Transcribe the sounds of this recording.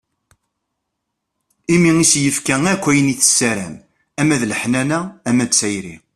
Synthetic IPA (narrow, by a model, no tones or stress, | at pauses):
imiŋisjəfkæŋækʷːæjəniθə̥sːæɾæm | æmæðləħnænææmæt͡sːæjɾḭ